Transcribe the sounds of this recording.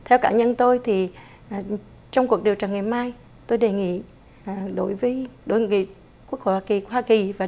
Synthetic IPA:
t̪ʰɛ˧wkaː˧˩ɲə˧nt̪o˧jt̪ʰi˨˩˨ | t͡ɕɔ˧wŋ͡mku˨˩ək̚ɗi˨˩əwt͡ɕaː˨˩ŋaː˨˩jmaː˧j | t̪o˧jɗe˨˩ŋḭ˧˨˩ | ɗo˧˩˦jvəː˨˦jɗo˨˦jŋḭ˧˨ | ku˦˥ək̚ho̰˧˨jhwaː˧ki˨˩khwaː˧ki˨˩vaː˨˩

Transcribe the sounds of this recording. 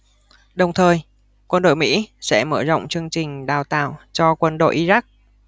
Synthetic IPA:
ɗə˨˩wŋ͡mt̪ʰəː˨˩j | kwə˧nɗo̰˧˨jʲmḭ˧˥sɛ̰˧˥məː˧˩zə̰˧˨ŋ͡mt͡ɕɨ˧əŋt͡ɕï˨˩ŋ̟ɗaː˨˩wt̪a̰ː˧˨wt͡ɕɔ˧kwə˧nɗo̰˧˨jʔi˧za˦˥k̚

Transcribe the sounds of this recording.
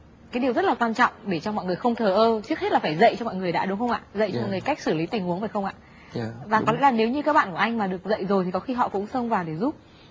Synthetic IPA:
kaː˨˦jɗi˨˩əwzt̚laː˨˩kwaː˧nt͡ɕɔ̰˧˨wŋ͡mɗe˧˩t͡ɕɔ˧mɔ̰˧˨jŋɨ˨˩əjxə˧wŋ͡mt̪ʰəː˨˩ʔəː˧t͡ɕɨ˦˥ək̚he˦˥t̚laː˨˩faː˧˩jzə̰˧˨jt͡ɕɔ˧mɔ̰˧˨jŋɨ˨˩əjɗa̰ː˧˥ɗʊ˨˦ŋ͡mxə˧wʔa̰ː˧˨zə̰˧˨jt͡ɕɔ˧mɔ̰˨ŋɨ˨˩ə˩jka˦˥k̟̚sɨ˧˩li˨˦t̪ï˨˩ŋ̟ʔu˨˦əŋvəː˨˩jxə˧wŋ͡mʔa̰ː˧˨ | vaː˨˩ɔ˨˦lɛ̰˧˥laː˨˩ne˨˦wɲɨ˧kaː˦˥k̚ɓa̰ː˧˨ku˧˩ʔa˧jŋ̟maː˨˩ɗɨ˨˩ək̚zə̰˧˨jzo˨˩jt̪ʰi˨˩kɔ˨˦xi˧ɦɔ̰˧˨kʊ̰˧˥ŋ͡msə˧wŋ͡mvaː˨˩wɗe˧˩zu˦˥p̚

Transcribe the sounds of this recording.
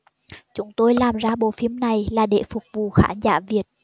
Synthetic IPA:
t͡ɕʊ˨˦ŋ͡mt̪o˧jlaː˨˩mzaː˧ɓo̰˧˨fi˧˦əmna˨˩jlaː˨˩ɗḛ˧˩fʊ˨˩k͡p̚vṵ˧˨xaː˧˦nzaː˧˦vi˨˩ət̚

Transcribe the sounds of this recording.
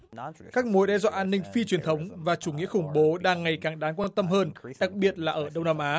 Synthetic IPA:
kaː˦˥k̚mo˨˦jɗɛ˧zwa̰ː˧˨ʔaː˧nːï˧ŋ̟fi˧t͡ɕwi˨˩ənt̪ʰə˨˦wŋ͡mvaː˨˩t͡ɕu˧˩ŋḭ˧˥əxʊ˧˩ŋ͡mɓo˨˦ɗaː˧˩ŋːa˨˩jkaː˨˩ŋɗaː˨˦nkwaː˧nt̪ə˧mɦəː˧nɗa˨˩k̚ɓi˨˩ət̚laː˨˩ʔəː˧˩ɗə˧wŋ͡mnaː˧mʔaː˨˦

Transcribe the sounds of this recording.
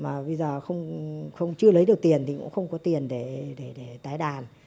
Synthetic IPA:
maː˨˩ɓə˧jzəː˨˩xə˧wŋ͡mxə˧wŋ͡mt͡ɕɨ˧ələ˨˦jɗɨ˨˩ək̚t̪i˨˩ənt̪ʰi˨˩kʊ̰˧˥ŋ͡mxə˧wŋ͡mkɔ˨˦t̪i˨˩ənɗe˧˩ɗe˧˩ɗe˧˩t̪aː˨˦jɗaː˨˩n

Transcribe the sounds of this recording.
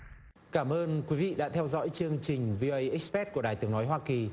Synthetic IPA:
kaː˧˩mʔəː˧nkwi˨˦vḭ˧˨ɗa̰ː˧˥t̪ʰɛ˧wzɔ̰˧˥jt͡ɕɨ˧əŋt͡ɕï˨˩ŋ̟vi˧ʔo˧ʔə˧jʔi˦˥k̚spɛ˦˥t̚ku˧˩əɗaː˨˩jt̪ɨ˨˦əŋnɔ˨˦jɦwaː˧ki˨˩

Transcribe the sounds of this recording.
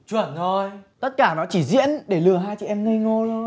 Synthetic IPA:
t͡ɕwə˧˩nːo˧˩jt̪ə˦˥t̚kaː˧˩nɔ˨˦t͡ɕi˧˩zḭ˧˥ənɗe˧˩lɨ˨˩əɦaː˧jt͡ɕḭ˧˨ʔɛ˧mŋə˧ŋo˧lo˧

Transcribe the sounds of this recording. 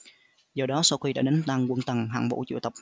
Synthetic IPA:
zɔ˧˩ɗɔ˨˦sa˧wxi˧ɗa̰ː˧˥ɗe˨˦nt̪aː˧ŋkwə˧˩nt̪ə˨˩ŋɦa̰ː˧˨ŋɓo̰˧˥t͡ɕṵ˧˨t̪ə˨˩k͡p̚

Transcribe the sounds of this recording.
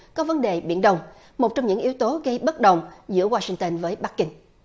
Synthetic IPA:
kɔ˨˦və˨˦nɗe˨˩ɓḭ˧˥ənɗə˧wŋ͡m | mo˨˩t̚t͡ɕɔ˧wŋ͡mɲɨ̰˧˥ŋʔi˨˦əwt̪o˨˦ɣə˧jɓə˦˥t̚ɗə˨˩wŋ͡mzɨ̰˧˥əwaː˧si˧ŋt̪ə˧nvəː˨˦jɓa˦˥k̚ːï˧ŋ

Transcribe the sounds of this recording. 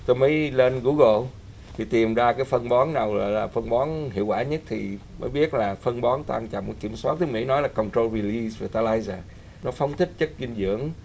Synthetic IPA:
t̪o˧jməː˨˦jle˧nɣu˧˦ɣo˧˨l | t̪ʰi˨˩t̪i˨˩mzaː˧kaː˨˦jfə˧nɓɔ˨˦nnaː˨˩wɣɔ̰˧˨jlaː˨˩fə˧nɓɔ˨˦nɦḭ˧˨əwkwaː˧˩ɲə˦˥t̚t̪ʰḭ˨˩məː˨˦jɓi˦˥ət̚laː˨˩fə˧nɓɔ˨˦nt̪wa̰ː˧nt͡ɕa̰˨mu˧˩ki˧˩əmswa˦˥t̚t̪ʰɨ˨˦əmḭ˧˥nɔ˨˦jlaː˨˩kə˨wŋ͡mtɾo˧lɹi˧li˧sva˨˩t̪aː˧laː˧jzaː˨˩ | nɔ˨˦fə˨˦wŋ͡mt̪ʰï˦˥k̟̚t͡ɕə˦˥t̚ki˧ŋzɨ̰˧˩˥əŋ

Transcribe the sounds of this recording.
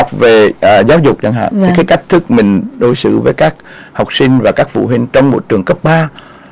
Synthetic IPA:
wk͡p̚ve˨˩˨zaː˨˦wzʊ˨˩k͡p̚za˧ŋɦa̰ː˧˨i˨kaː˨˦jka˦˥k̟̚t̪ʰɨ˦˥k̚mï˨˩ŋ̟ɗo̰˧˩˦jsɨ̰˧˨vəː˨˦jkaː˦˥k̚ | ha˨˩wk͡p̚si˧ŋ̟vaː˨˩kaː˦˥k̚fṵ˧˨ɦwï˧ŋ̟t͡ɕɔ˧wŋ͡mmo̰˧˥jt͡ɕɨ˨˩əŋkə˦˥p̚ɓaː˧

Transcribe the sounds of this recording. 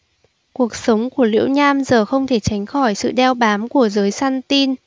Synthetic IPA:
ku˨˩ək̚sə˨˦wŋ͡mku˧˩əlḭ˧˥əwɲaː˧mzəː˨˩xə˧wŋ͡mt̪ʰe˧˩t͡ɕa˨˦jŋ̟xɔ˧˩jsɨ̰˧˨ɗɛ˧wɓaː˨˦mku˧˩əzəː˨˦jsaː˧nt̪i˧n

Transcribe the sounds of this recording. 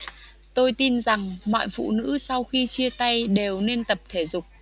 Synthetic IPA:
t̪o˧jt̪i˧nza˨˩ŋmɔ̰ː˧˨jfṵ˧˨nɨ̰˧˥sa˧wxi˧t͡ɕi˧ət̪a˧jɗe˨˩wne˧nt̪ə˨˩p̚t̪ʰe˧˩zʊ˨˩k͡p̚

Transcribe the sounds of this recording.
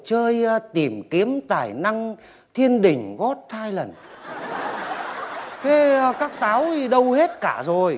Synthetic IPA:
t͡ɕəː˧jt̪i˧˩mki˨˦əmt̪aː˧˩jna˧ŋ | t̪ʰi˧ənɗï˨˩ŋ̟ɣɔ˦˥t̚t̪ʰaː˧jlə˨˩n | t̪ʰe˨˦˧kaː˦˥k̚t̪aː˨˦wɗə˧whe˦˥t̚kaː˧˩zo˨˩j

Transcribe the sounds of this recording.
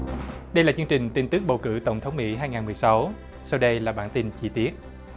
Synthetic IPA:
ɗə˧jlaː˨˩t͡ɕɨ˧əŋt͡ɕï˨˩ŋ̟t̪i˧nt̪ɨ˦˥k̚ɓə˨˩wkɨ̰˧˥˩t̪ə˧˩wŋ͡mt̪ʰə˨˦wŋ͡mmḭ˧˥ɦaː˧jŋaː˨˩nmɨ˨˩jsa˨˦w | sa˧wɗə˧jlaː˨˩ɓaː˧˥nt̪i˧nt͡ɕi˧t̪i˦˥ət̚

